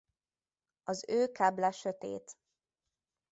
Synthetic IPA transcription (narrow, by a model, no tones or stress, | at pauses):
ɒzøːkaːblaʃøt̪ḛːt̪